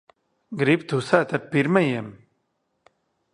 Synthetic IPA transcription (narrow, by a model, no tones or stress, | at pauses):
ɡɾip̚t̪ʰusat̪ɐt̚piɾmɐjem